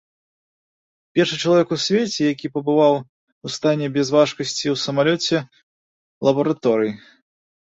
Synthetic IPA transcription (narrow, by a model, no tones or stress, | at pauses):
pʲɛrʂɨt͡ʂɐlˠavʲɛkusʲvʲet͡sʲɛjakʲipɐbɨvaw | ust̪anʲɛbʲɛzvaʂkɐsʲt͡sʲiwsɐmalʲɔt͡sʲɛ | lˠɐbɐɾat̪ɔɾɨji